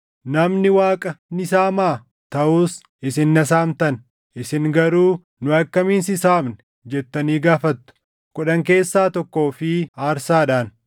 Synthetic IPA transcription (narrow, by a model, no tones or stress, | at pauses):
nɐmnɪwaːkʼɐnɪsaːmaː | t̪ɐʔuːs | ɪsɪnːɐs̬aːmt̪ɐn | ɪsɪŋɡɐɾuː | nʊɐkːɐmiːnsɪsaːbnɛ | d͡ʒɛt̪ːɐniːɡaːfɐt̪ːʊ̥ | kʊᶑɐŋke̞ːsːaːt̪ɔkːo̞ːfɪaːɾsaːᶑaːn